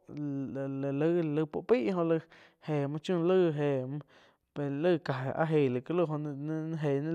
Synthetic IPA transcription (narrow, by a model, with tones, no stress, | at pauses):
llə˦˨lɨ˧pṵ˧ʔpiː˦ʔɦõ˧lɨ˧ | he˨mã˧t͡ʃũ˦˧lə˦˧ɦe˨m̃˧ | pe˨˧lɨ˦˨ka˨a̰˧ɦe˨lɨ˨kə˧˦lu˦˧ɦo˧ñ˧nã˧ɦe˨nẽ˦